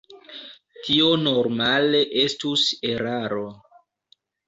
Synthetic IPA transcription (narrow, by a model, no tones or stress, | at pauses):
tʰio̞no̞ɾmale̞ʔe̞stuse̞ɾaɾo̞